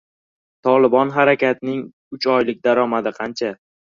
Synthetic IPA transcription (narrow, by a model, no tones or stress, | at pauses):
t̪ʰɒlˠɪbɒnɦaɾakʲat̪nɪŋ | ʊt͡ʃʰɒjlɪk̚ʲd̪aɾɒmad̪ɪqʰɑnt͡ʃʰa